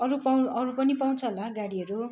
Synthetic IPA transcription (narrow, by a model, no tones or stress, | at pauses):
ʌɾupaʌɾupʌnipaw̃t͡sʰʌlaɡaɽiʌɾu